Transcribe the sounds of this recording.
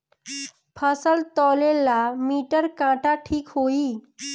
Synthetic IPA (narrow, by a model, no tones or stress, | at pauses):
pʰəsəlt̪ɔlelːamiʈəɾkãʈaʈʰiːkɦoiː